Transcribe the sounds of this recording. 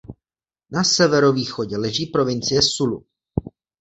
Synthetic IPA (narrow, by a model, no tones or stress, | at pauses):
nasɛvɛɾo̞viːxo̞ɟɛlɛʒiːpɾo̞vɪnt͡sɪjɛsulṵ